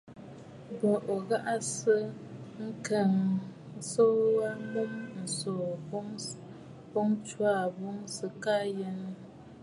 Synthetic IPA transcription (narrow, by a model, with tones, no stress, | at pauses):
bo˨ʔo˨ɣa˦ʔa˦sə˦ŋ̩˦kɛ˨ŋ˨ | so˦wa˦mo˦mn̩˨so˨˦ŋ | bɔ˦ŋt͡ʃwa˦˨bo˦ŋsɨ˨ka˦je˦n˦